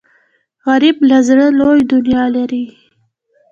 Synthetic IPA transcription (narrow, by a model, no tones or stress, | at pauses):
ɣaɾiblazɽəlojd̪ʊnjɑlaɾi